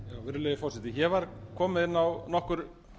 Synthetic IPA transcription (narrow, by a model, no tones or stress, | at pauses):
jaːwvɪɾleðɪfɔrsɛht̪ɪçɛvaɾ̥kʰɔːmɪðɪnːawnɔhkʏɾ̥